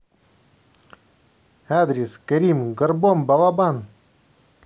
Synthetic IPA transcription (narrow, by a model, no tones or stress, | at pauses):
ad̪ɾʲeskəɾʲimɡərbombɑlˠabɑn